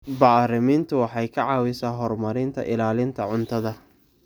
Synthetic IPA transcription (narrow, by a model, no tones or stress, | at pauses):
baːrɪmiːnt̪ʰʊwɑħɑjkʰɐʕɑːwɪsaːɦɔrmɐɾɪnt̪ʰɐ̰ʔɪlaːlɪnt̪ʰɐʕʊnt̪ʰɐðɐ